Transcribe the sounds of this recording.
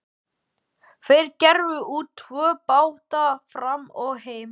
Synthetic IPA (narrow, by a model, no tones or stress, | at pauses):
θejɾcɛɾvʏʔuːt̪ʰːvœːpaːwt̪afɾamɔɣheːjm